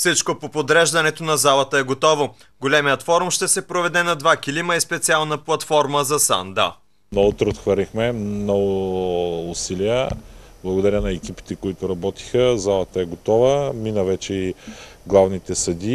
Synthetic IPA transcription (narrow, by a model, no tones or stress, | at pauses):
fsit͡ʃkopopod̪ɾɛʒd̪ɐnɛt̪onɐzalˠɐt̪əɛɡot̪ɔvo | ɡolʲɛmijət̪fɔɾumʃt̪ɛsɛpɾovɛd̪ɛnɐd̪vakilimɐispɛt̪sialˠnəplˠɐt̪fɔɾməzɐsa̰nd̪a̰ | nɐot̪ɾɛot̪xvɐɾlixmɛmnɔɡʊː | silijə | blˠɐɡod̪ɐɾʲənɐɛkipi̥t̪ɛkoit̪ʊɾɐbɔt̪i̥xəzalˠɐt̪əɛɡot̪ɔvəminəvɛt͡ʃɛi | ɡlˠavnit̪ɛsɐd̪i